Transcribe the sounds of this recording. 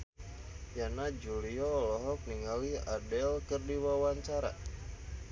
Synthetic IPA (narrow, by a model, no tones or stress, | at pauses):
janad͡ʒuliɔlɔɦɔk̚niŋaliadɛlkərdiwawaɲt͡ʃaɾa̰